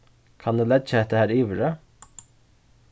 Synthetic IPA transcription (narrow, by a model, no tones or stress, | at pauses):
kʰɑnd̪ʉːlɛd̪t͡ʃɛt̪əhæːɾiːʋɾə